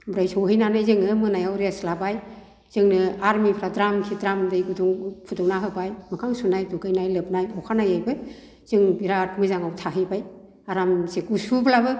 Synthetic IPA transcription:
bɾajsɔɦɯjnanɯjzɯŋɯmɯnajawɾeslabaj | z̥ɯŋnɯaɾmipʰɾadɾamkʰidɾamdɯjɡuduŋpʰudɔwnaɦɯbajmɯkʰaŋsunajduɡɯjnajlɯp̚najɔkʰanajajbɯ | z̥ɯŋbiɾat̚mɯzaŋawtʰaɦɯjbaj | aɾamsekusubʰlabɯ

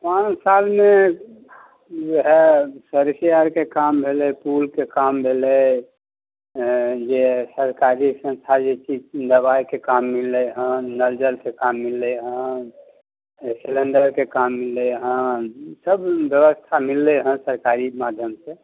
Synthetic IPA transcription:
pãt͡ʃsalme | d͡ʒeɦesəɾsijaɾkekambʱelɛpulkekambʱelɛ | d͡ʒesəɾkaɾisə̃nst̪ʰad͡ʒet͡ʃid̪əβajkekamːilːəɦə̃nəɾd͡ʒəlkekamːilːəɦə̃ | silənɖəɾkekamːilːəɦə̃səbːjəβəst̪ʰamilːɛɦə̃səɾkaɾimad̪ʱjəmse

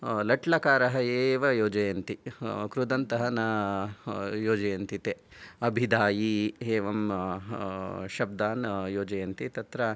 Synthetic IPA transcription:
lɐʈlɐkaːɾɐɦɐeːʋɐjoːd͡ʒɐjɐnt̪ikɾud̪ɐnt̪ɐɦɐnɐ | joːd͡ʒɐjɐnt̪it̪eɐbʱid̪aːjiɦeːʋɐm | ʃɐb̚d̪aːnjoːd͡ʒɐjɐnt̪it̪ɐt̪ɾɐ

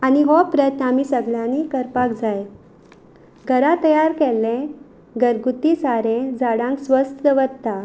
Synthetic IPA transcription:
aniɦɔpɾət̪namiːsəɡɭjãnikəɾpakd͡zaj | ɡʱəɾat̪əjaɾkɛlːẽ | ɡəɾɡut̪isaɾẽd͡zaɽãŋksʋəst̪əʋəd̪t̪a

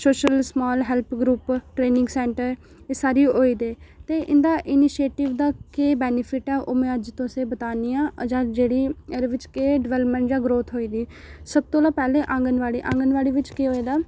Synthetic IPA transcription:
soːʃəlsmɔːlɦɛːlpʰɡɾuːpʈɾeːnɪ̃ŋɡsɛːɳʈəɾ | esaːɾiːɦoːiːd̪eːt̪eːʔɪnd̪aːʔɪniːʃeːʈɪʋd̪aːkeːbɛːnɪpʰɪʈɛːʔoːmẽːəd͡ʒt̪õːəseːbət̪aːniːãːʔəd͡ʒãːd͡ʒeːɽiːəɾʋɪt͡ʃkeːɖɪʋɛːləpmɛ̃ːɳʈd͡ʒãːɡɾoːt̪ʰɦoːiːd̪iːsəb̚t̪õːlaːpɛːleːʔãŋɡənʋaːɽḭːʔãːŋɡənʋaːɽiːʋɪt͡ʃkeːɦoːeːd̪aː

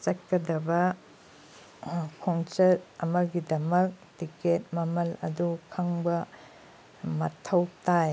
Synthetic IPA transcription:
t͡ʃɐt̚kːɐdɐbɐ | kʰoŋt͡ʃɐɾɐmɐɡidɐmɐk̚tiket̚mɐmɐlɐ̰dukʰɐŋbɐ | mɐtʰɐwtaj

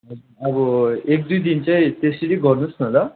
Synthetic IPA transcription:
ɦʌd͡zuɾʌbʌek̚d̪ujd̪int͡saj̃t̪eseɾiɡʌrnusnʌlʌ

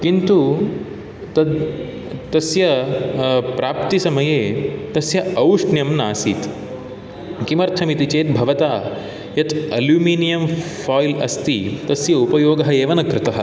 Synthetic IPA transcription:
kint̪u | t̪ɐd̪ | t̪ɐsjɐ | pɾaːpt̪isɐmɐjeːt̪ɐsjɐɐwʂɳjɐmnaːsiːt̪ | kimɐɾt̪ʰɐmit̪it͡ʃeːt̪̚bʱɐʋɐt̪aː | jɐt̪ɐljuːmiːnijɐmfʰaːjlɐ̰st̪it̪ɐsjɐupɐjoːɡɐɦɐeːʋɐnɐkɾɪt̪ɐɦɐ̰̆

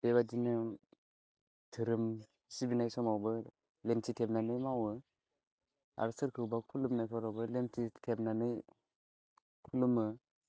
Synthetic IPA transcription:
b̥eβad͡ʒinɯ | tʰɯɾɯm | sibinajsɔmawbɯ | lemtʰitʰep̚nanɯjmawɯ | a̰ɾɯsɯɾkʰɯwbakʰulɯmnajpʰɔɾawbɯlemtʰitʰep̚nanɯj | kʰulumɯ

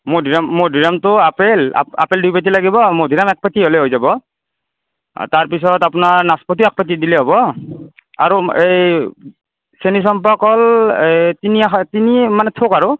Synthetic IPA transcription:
modʱiɹamːodʱiɹamtʊapela̰a̰peldujpat̬ilaɡibɔmodʱiɹamɛk̚patiolɛɦojzabɔ | taɹpisɔtapʊnaɹnaspɔt̬iɛk̚pat̬idilɛɦɔbɔ | a̰ɹuej | senis̬ɔmpakɔl | tiniaxtinimanɛtʰokaɹu

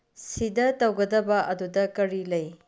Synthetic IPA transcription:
sidɐtɐwɡɐdɐbɐʔɐdudɐkɐɾilɐj

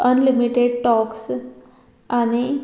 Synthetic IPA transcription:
ənlimiʈeɖʈɔks | añi

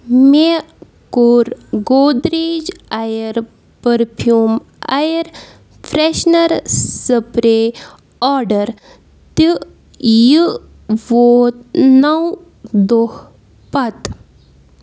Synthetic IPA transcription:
me | kuɾɡoːd̪ɾid͡ʑajəɾ | pəɾpʰjuːm | a̰jəɾ | fʰɾeʃnɐɾsəpɾe | ɔɾɖəɾ | t̪i | jɨ | ʋot̪nɐw | d̪oh | pɐt̪

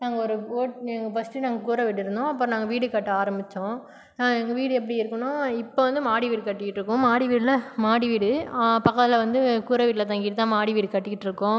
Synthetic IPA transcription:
naːŋɡɐɔɾɯoːʈɐŋɡɐbɐsʈinaːŋɡɐkuːɾɐʋɪʈːɪɾɯnd̪õɐpːɯɾ̃naːŋɡɐʋiːɽɯkɐʈːɯaːɾɐmbɪt͡ʃːõ | naːɐŋɡɐʋiːɽɯɛpːɐɽɪɪɾɯkːɐɳõɪpːoːʋɐnd̪ɯmaːɽiʋiːɽɯkɐʈːɪkɪʈːɪɾɯkːʊ̃maːɽiʋiːɽlɐmaːɽiʋiːɽɯapɐkːɐt̪ɪlɐʋɐnd̪ɯkuːɾɐʋiːʈlɐt̪̬ɐŋɡiːʈɯt̪ãːmaːɽiʋiːɽɯkɐʈːɪkːɪʈːɪɾɯkːõː

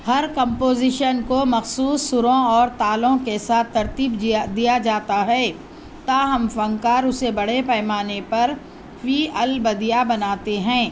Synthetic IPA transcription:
hɐɾkə̃mpoːzɪʃənkomɐxsuːsːʊɾõɔːɾt̪aːlõkesaːt̪ʰːɐɾt̪iːbd̪ijad͡ʒaːt̪aɦɛː | t̪aːɦɐmfɐ̃ŋkaːɾʊsebɐɽ̤epɛːmaːnepɐɾ | fiːɐlbɐd̪ijabɐnaːt̪eɦɛ̃ː

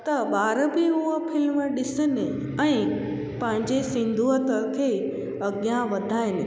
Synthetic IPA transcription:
t̪ɐɓaːɾəbɪʊɦəpʰɪlməɗɪsɪnɪ | ɛ̃ | pɐ̃ɦɪ̃ɲd͡ʑesɪ̃nd̪ʱuət̪əkʰeː | ɐɠjãʋɐd̪ʱaːɪnɪ

